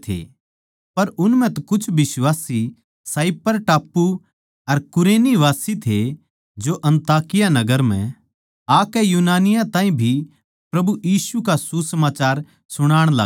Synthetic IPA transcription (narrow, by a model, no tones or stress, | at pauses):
t̪ʰḛː | pɐɾʊnm̤ɛ̃t̪ɐkʊt͡ʃʰbɪswaːsi | saːipːɐɾʈaːpːu | ɐɾkʊɾeːniʋaːsit̪ʰe | d͡ʒoʔɐ̃nt̪aːkɪjanɐɡəɾm̤ɛ̰̃ | aːkɛjuːnaːnɪjãt̪ãːĩbʱi | pɾɐbujiːsukasusɐmaːt͡ʃaːɾ | sʊɽ̃aːɽ̃la̰ː